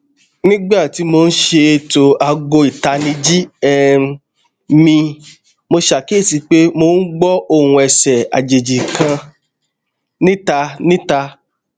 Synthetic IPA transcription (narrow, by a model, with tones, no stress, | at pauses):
nĩ˦ɡ͡ba˦˨ti˨˦mo˧n̩˦ʃe˧˨to˨a˧ɡo˧i˨ta˧nĩ˧d͡ʒi˦ɛ˦ | mĩ˧ | mo˧ʃa˨ke˦˨si˧k͡pe˦mo˧˨n̩˦ɡ͡bɔ˦o˦˨ũ˧ɛ˨sɛ˨a̰˨d͡ʒe˨d͡ʒi˨kã˧ | nĩ˦ta˧nĩ˦ta˧